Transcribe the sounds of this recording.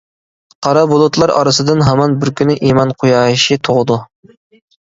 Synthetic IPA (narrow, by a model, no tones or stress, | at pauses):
qʰɑɾɑbolˠut̪lˠɑɾɑ̰ɾɨsɨd̪ɨnɦɛmɑnbɪɾkʲynɪʔimɑnqʰʊjɑːiʃit̪ʰoʁəd̪u